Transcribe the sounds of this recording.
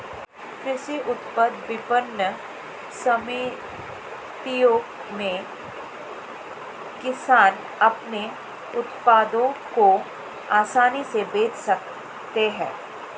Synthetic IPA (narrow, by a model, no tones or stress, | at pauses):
kɾɪʃiʔʊt̪pəd̪ʋɪpənːə | sɐmiː | t̪ijõ | mẽ | kɪsaːn | ɐpne | ʊt̪paːd̪õko | aːsaːnisebeːt͡ʃsɐk | t̪eɦɛ̰̃ː